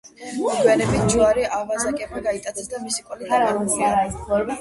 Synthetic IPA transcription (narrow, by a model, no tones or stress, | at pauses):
pwɛlɛbid͡ʒuaɾiʔavazakʼɛbaɡait̪ʼad̪ɛsd̪amisikʼɔlɛaɾasiaɾaisvɔɾbi